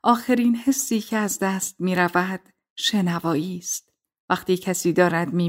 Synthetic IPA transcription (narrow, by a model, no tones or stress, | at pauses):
ʔɒːxe̞ɾiːnhe̞sːiːcʰeæzd̪æst̪̚miːɾævæd̪̥ | ʃe̞nævɒːiːst̪̚ | væqt̪iːcʰæsiːd̪ɒːɾæd̪miː